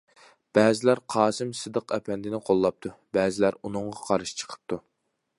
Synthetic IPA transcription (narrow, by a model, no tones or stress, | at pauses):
b̥ɛːzɪlæɾqʰɑːsɨmsɨd̪əqʰɛpʰɛnd̪ɪnɪqʰolˠːɑp̚t̪ʰubɛːzɪlæɾunɨŋʁɑqʰɑɾɨʃt͡ʃʰə̥qʰə̥p̚t̪ʰu